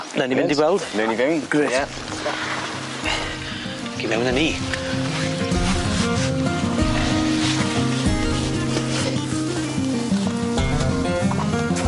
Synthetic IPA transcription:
nanivɪndiɡwɛlˠd̥mɛwnivɪwnɡ̥rɪja | ɡ̥imɛwnəniː

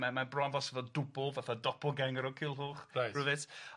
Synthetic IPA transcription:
mamanbrɔnvɔsəðɔdʊbʊlˠvaθadɔpʰɔɡɛŋəɾɔkʰɪlˠɦuːχajruðɪt

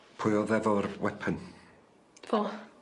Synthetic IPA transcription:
pʰʊjɔðɛvɔɾwɛpʰən | vo

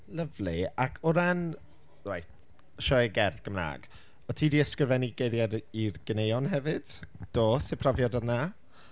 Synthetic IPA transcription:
ləvlɪakʰʊɾan | wajt | ʃɔjɡɛrθɡ̥əmna̰ːɡ̥ | ɔtʰiːdiːəskrɪvɛniɡejðjaɾirɡənejɔnhɛvɨd̥d̥oːsɪpʰrɔvjɔdɔna

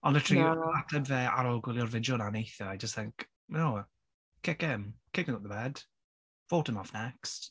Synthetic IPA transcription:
ə̃nðətʰɹ̥iatʰəbvɛʔa̰ɾɔlɡwɪlˠjɔrvɪd͡ʒɔnanejθəajd͡ʒəstθɪŋk | noː | kʰɪkɪmkʰɪk̚ɪŋaʊt̪̚ðəbɛd̥ | v̥owtəmɔfnɛkst

